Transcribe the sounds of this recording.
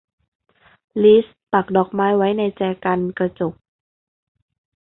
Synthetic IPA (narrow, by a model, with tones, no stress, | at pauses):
liː˦˥s | pa˨˩k̚dɔː˨˩k̚maː˦˥jwa˦˥jna˧jt͡ɕɛː˧˩ka˧nka˧t͡ɕo˨˩k̚